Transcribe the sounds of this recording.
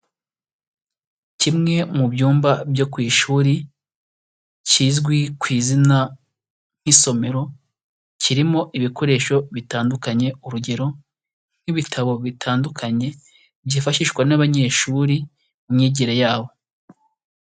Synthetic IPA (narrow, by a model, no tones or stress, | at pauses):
cimŋe̞mubjuːmbabjo̞kwiːʃuːɾi | ciːzɡwikwiːzina | ŋ̥hiso̞me̞ɾo̞ | ciɾimo̞ʔiβikʰo̞ɾe̞ːʃo̞βitaːndukaɲe̞uɾuɟe̞ɾo̞ | n̥hiβitʰaβo̞βitʰaːndukʰaɲe̞ | bjifaʃiʃkwanaβaɲe̞ːʃuːɾi | ɲɲiɟiɾejaːβo̞